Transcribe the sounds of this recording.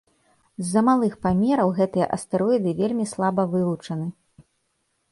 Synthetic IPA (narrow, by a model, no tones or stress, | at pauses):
zːɐmalˠɨxpamʲɛɾɐwɣɛt̪ɨjɐ̰ʔɐst̪ɛɾɔid̪ɨvʲelʲmʲislˠabɐvɨlˠut͡ʂɐnɨ